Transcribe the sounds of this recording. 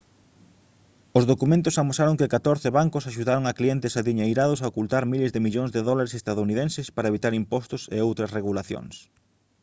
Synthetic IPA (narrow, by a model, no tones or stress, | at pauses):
ozðokumẽnt̪ʊsamosaɾoŋkɪkat̪oɾθɪβaŋkʊsaʃuðaɾoŋakliɛnt̪ɪsaðiɲajɾaðʊs̬aokult̪aɾmilezðɪmiʎoŋzðeðɔlaɾesest̪aðouniðensɪspaɾɐeβit̪aɾimpɔst̪ʊsḛowt̪ɾɐsreɣulaθjo̰ŋs